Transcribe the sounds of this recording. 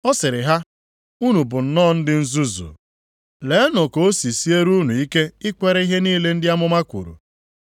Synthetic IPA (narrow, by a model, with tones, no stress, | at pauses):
ɔ˦sɪ˨ɾɪ˨ɦa˦ | u˦nu˨bʊ˨n̩˨nɔ˦˨n̩˦dɪ˦n̩˦zu˦zṵ˨ | le˨˦nɔ˨ko˨o˦si˨si˦e˦ɾu˦nu˨i˦ke˦ɪ˦kʷe˦ɾe˦i˦ɦe˦niː˦le˦n̩˦dɪ˦a˦mʊ˦ma˦kʷṵ˨ɾṵ˨